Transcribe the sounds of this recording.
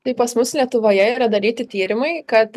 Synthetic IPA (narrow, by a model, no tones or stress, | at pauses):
t̪ɐɪpɐsmʊslʲiɛt̪ʊʋoːjɛiːɾɐd̪ɐɾʲiːt̪ʲɪt̪ʲiːɾʲɪmɐɪkɐt̪